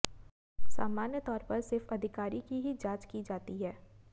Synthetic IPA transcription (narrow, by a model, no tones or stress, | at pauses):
sa̰ːmaːnjət̪ɔːɾpɐɾsɪɾfɐd̪ʱɪkaːɾikiɦid͡ʒaːt͡ʃkid͡ʒaːt̪iɦɛː